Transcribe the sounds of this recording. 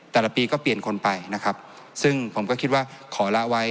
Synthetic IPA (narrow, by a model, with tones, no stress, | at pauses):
t̪ɛː˨˩la˩˦˩piː˧kɔː˥˩pli˨˩ənkʰo˧npa˧jna˦˥kʰa˦˥p̚ | sɯ˥˩ŋpʰo˩˦mkɔː˥˩kʰi˦t̪̚waː˥˩kʰɔː˩˦la˦˥ʔwa˦˥j